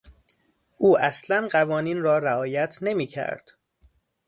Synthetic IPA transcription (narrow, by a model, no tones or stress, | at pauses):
ʔuːæslænɢævɒːniːnrɒːɾæɒːjæt̪ʰne̞miːcʰæ̰ɾd̪̥